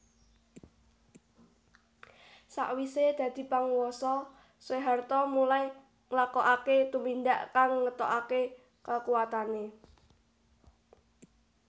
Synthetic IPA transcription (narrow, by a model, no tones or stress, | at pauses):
sa̰ʔwised̪̥ä̤d̪̥i̤paŋwɔsɔ | seɦart̪ɔmulai | ŋlakɔʔaket̪umind̪aʔkaŋːət̪ɔʔake | kəkuwat̪ane